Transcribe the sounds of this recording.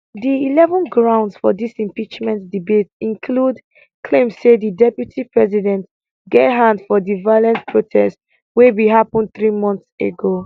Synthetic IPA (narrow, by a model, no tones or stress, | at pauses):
diilɛvɔ̃nɡɹãʊ̃ndsfɔdisĩmpit͡ʃmɛ̃ntdibetĩnkʰlud | kʰlẽmssedidɛpjutʰipɹɛzidɛ̃nt | ɡeɦãndfɔdivajlɛ̃nspʰɹotʰɛst | webiɦapɔ̃n̚θɹimɔ̃nθsḛɡo